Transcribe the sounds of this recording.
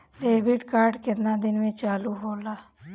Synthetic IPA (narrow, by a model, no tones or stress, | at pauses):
leːbɪʈkaːɾɖkɪt̪nãːd̪ɪnmẽːt͡ʃaːluːɦoːlaː